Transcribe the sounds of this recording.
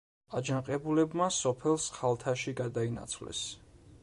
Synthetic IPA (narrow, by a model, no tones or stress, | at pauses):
ad͡ʒaŋqʼɛbulɛbmasɔpʰɛlˠsχalˠt̪ʰaʃiɡad̪aina̰t̪sʰvlɛ̰s